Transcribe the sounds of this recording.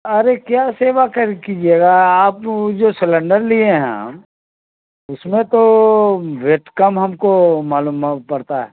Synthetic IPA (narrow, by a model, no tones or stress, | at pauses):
ɐɾekjaːseːʋakəɾkid͡ʒieːɡaaːpd͡ʒosɪlə̃ɳɖəɾliẽɦɛ̰̃ | ʊsmẽt̪o | ʋeʈkəmɦɐmkomaːlumpɐɾt̪aɦɛ̰ː